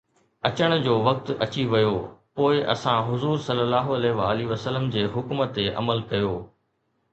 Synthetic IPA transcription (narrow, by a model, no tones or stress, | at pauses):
ɐt͡ɕəɽ̃̆d͡ʑoːʋɐk̚t̪ɐt͡ɕiʋɐjoːpoːɪʔɐ̰sãɦʊzuːɾsɐlːəlaːɦoɐleːʋaːliʋəsələmd͡ʑeːɦʊkmət̪ːeʔɐ̰məlkɐjoː